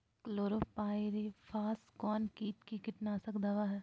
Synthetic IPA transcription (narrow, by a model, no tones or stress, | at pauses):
kloːɾopaːɪɾefʰaːskɔːnkiːʈkikɪʈnaːsəkd̪ɐʋaɦɛː